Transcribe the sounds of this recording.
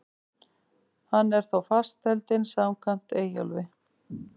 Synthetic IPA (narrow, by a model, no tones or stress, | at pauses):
hanːɛɾ̥θawfast̪ɛlt̪ɪnsamkʰam̥t̪eːjɔ̰lvɪ